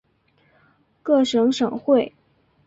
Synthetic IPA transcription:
kɤ˥˩ʂɤ˧˥ŋʂɤ˨˩ŋxwe˥˩ɪ

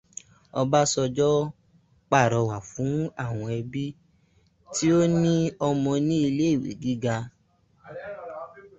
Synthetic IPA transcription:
ɔ˧ba˦sɔ˧d͡ʒɔ˦ | k͡pa˦˨ɾɔ˨˧wa˨fũ˨˦a˦˨w̃ɔ̃˧ɛ˧bi˦ | ti˦o˦nĩ˦ɔ˧mɔ̃˧nĩ˦i˧le˦i˦˨wḛ˨ɡi˨˦ɡa˧

